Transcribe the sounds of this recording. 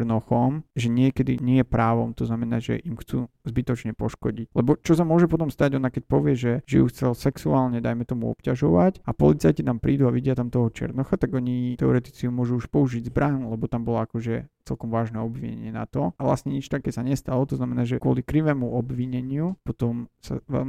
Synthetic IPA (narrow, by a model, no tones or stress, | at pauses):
ɾnɔxɔmʒɛɲɪɛkɛd̪ḭɲɛjɛpɾaːʋɔ̰mt̪ɔznamɛnaːʒɛ̰ʔimxt͡suː | zbit̪ɔt͡ʃɲɛpɔʃkɔɟiclɛbɔt͡ʃɔsamʊɔʒɛpɔt̪̬ɔmst̪aɟɔnakɛc̚pɔʋɪɛʒɛʒɛ̰juxt͡sɛlsɛksuaːlɲɛd̪ajmɛt̪ɔmṵɔ̰pcaʒɔʋacapɔ̰lit͡sajcit̪ampɾiːd̪uaʋiɟɪat̪amt̪ɔɦɔt͡ʃɪɛ̰ɾnɔxat̪aɡɔɲit̪ɛɔɾɛt̪i̥t͡siumʊɔʒuuʃpɔuʒiɟzbɾʔaɲulɛbɔt̪ambɔlɔakɔʒɛt͡sɛlkɔmʋaːʒnɛɔbʋḭɲɛ̰ɲɪɛna̰t̪ɔʔaʋla̰sɲɛɲit͡ʃt̪akɛːsaɲɛst̪alɔt̪ɔznamɛnaːʒɛkwʊɔ̰likɾiʋɛːmuɔbʋiɲɛɲɪupɔt̪ɔmsa̰ʋɛ̰lm